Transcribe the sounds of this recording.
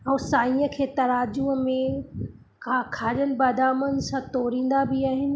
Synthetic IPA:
ɛ̃ːsaːĩːəkʰeːt̪ɐɾaːd͡ʑuɦmẽ | kʰakʰaːɗənɪ̆baːd̪aːmənɪ̆sãt̪ɔːɾĩːnd̪abɪaːɦɪnɪ̆

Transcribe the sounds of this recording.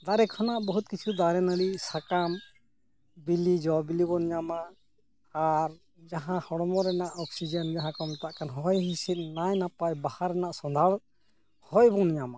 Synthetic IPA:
d̪aɾɛkʰɔnaʔbɔɦut̪̚kit͡ʃʰud̪aɾɛnəɽisakam | bilid͡ʒɔbilibɔnɲamaː | ɾ | d͡ʒaɦãhɔɽɔmɔɾɛnaʔɔksid͡ʒənd͡ʒaɦãkɔmt̪aʔkanɦɔjɦisit̪̚najnapajbahaɾɛnaʔsɔnd̪ʱaɽɔt̪̚ | hɔjbɔnɲama

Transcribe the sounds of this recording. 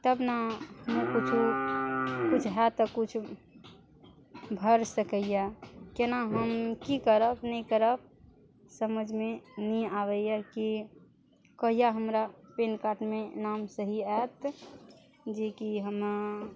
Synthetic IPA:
t̪əbnahəmkut͡ʃʰu | kut͡ʃʰɦɛt̪əkut͡ʃʰ | bʱəɾsəkəjjakenaɦəmkikəɾəpnəĩkəɾəp̚ | səməd͡ʒʱmenĩaʋəjjaki | kəɦijaɦəmɾapenkaʈmenamsəɦiɛt̪ | d͡ʒekiɦəm

